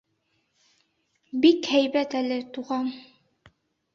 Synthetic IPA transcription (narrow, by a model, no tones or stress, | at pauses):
bikhæjbæt̪ælɘt̪uʁɑm